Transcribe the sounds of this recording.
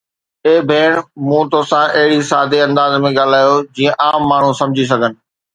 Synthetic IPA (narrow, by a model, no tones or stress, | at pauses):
eːbʱeːɽ̃mũt̪oːsãʔɐɦɪɽisaːd̪eɐ̃nd̪aːzmẽɠaːl̤aːjod͡ʑiːə̃ʔaːmːaːɳ̤ũsɐ̃md͡ʑʱis̬ɐɡʱənɪ̆